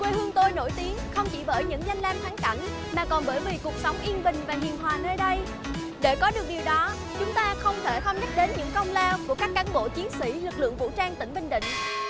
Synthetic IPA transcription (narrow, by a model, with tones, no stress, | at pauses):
kwe˧hɨ˧əŋt̪o˧jno˧˩jt̪i˨˦əŋxə˧wŋ͡mt͡ɕḭ˧˩ɓəː˧˩jɲɨ̰˧˥ŋza˧jŋ̟laː˧mt̪ʰaː˨˦ŋka˧˩ŋ | maː˨˩kɔ˨˩nɓəː˧˩jvi˨˩ku˨˩ək̚sə˨˦wŋ͡mʔi˧ənɓï˨˩ŋ̟vaː˨˩ɦḭ˨˩ənɦwaː˨˩nəː˧jɗə˧j | ɗe˧˩kɔ˨˦ɗɨ˨˩ək̚ɗi˨˩əwɗɔ˨˦ | t͡ɕʊ˨˦ŋ͡mt̪aː˧xə˧wŋ͡mt̪ʰe˧˩xə˧wŋ͡mɲa˦˥t̚ɗe˨˦nɲɨ̰˧˥ŋkə˧wŋ͡mlɛ˧wku˧˩əkaː˦˥kːaː˨˦nɓo̰˧˨t͡ɕi˨˦ənsḭ˧˩lɨ˨˩k̚lɨ̰˧˨əŋvṵ˧˥t͡ɕaː˧ŋt̪ï˧˩ŋ̟ɓï˧˩ŋ̟ɗ̪ḭ̈˧˨ŋ̟